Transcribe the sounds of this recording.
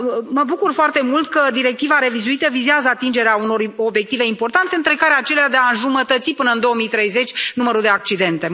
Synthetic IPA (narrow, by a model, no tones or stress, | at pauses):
məbukurfoart̪e̞mult̪kəd̪iɾe̞k̚t̪ivaɾe̞vizuit̪əvizeazəat̪ind͡ʒe̞ɾeauno̞ro̞bje̞k̚t̪ive̞impo̞rt̪ant̪e̞ɨnt̪ɾe̞kaɾeat͡ʃe̞lead̪e̞aʒumət̪ət̪sipɨnəɨnd̪o̞omijt̪ɾe̞jze̞t͡ʃʲnuməɾud̪e̞ak̚t͡ʃid̪e̞nt̪e̞